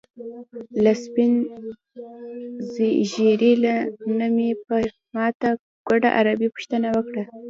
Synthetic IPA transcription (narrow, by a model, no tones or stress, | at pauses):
laspin | ziʒiɾilanəmepə | mɑt̪a | ɡ̥waɖa̰ʔa̰ɾabipʊ̥ʃt̪ənawəkɽa